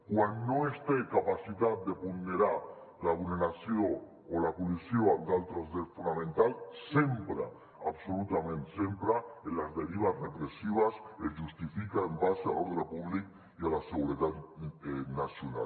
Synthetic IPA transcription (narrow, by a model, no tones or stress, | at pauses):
kwanːoest̪ekapasit̪at̪̚d̪epulneɾaɾ | laːβulneɾasjo | olapolisjod̪alt̪ɾozðeɾfunamẽnt̪alsembɾa̰ | a̰βsolut̪amẽnt̪sembɾaenlazðeɾiβ̞asrepɾesiβaseʒust̪ifikaembasea̰loɾðelapuβlik̚ | ialaseɣuɾeðat̪enasjona̰l